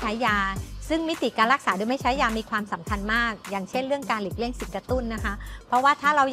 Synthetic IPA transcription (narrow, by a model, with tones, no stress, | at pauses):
a˦˥jːaː˧sɯ˥˩ŋmi˦˥t̪i˨˩kaː˧nɾa˦˥k̚saː˩˦doː˧jma˥˩t͡ɕʰa˦˥jːaː˧miː˧kʰwaː˧msa˩˦mkʰa˧nmaː˥˩k̚jaː˨˩ŋt͡ɕʰe˥˩nɾɯ˥˩əŋkaː˧nli˨˩k̚li˥˩əŋsi˨˩n̚kɾa˧t̪u˥˩nːa˦˥kʰa˦˥pʰɾɔ˦˥waː˥˩t̪ʰaː˥˩ɾa˧wj